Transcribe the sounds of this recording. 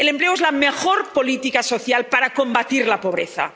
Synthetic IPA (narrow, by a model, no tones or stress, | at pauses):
ele̞mpleoezlamexoɾpolit̪ikaso̞θjalpaɾako̞mbat̪iɾlapoβ̞ɾḛθa̰